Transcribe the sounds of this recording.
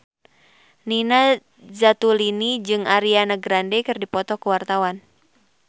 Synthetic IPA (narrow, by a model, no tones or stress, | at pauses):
nina | zat̪ulinid͡ʒɨŋaɾianaɡɾandɛkɨrdipɔt̪ɔkəwart̪awan